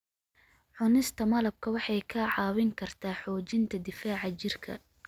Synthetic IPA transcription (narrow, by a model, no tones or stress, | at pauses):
ʕʊnɪst̪ʰɐmɐlɐb̚kʰɐwɑħɑjkʰɐʕɑːwɪŋkʰɐrt̪ʰaːħɔːt͡ʃɪnt̪ʰɐd̪ɪfaːʕɑt͡ʃɪrkʰɐ̰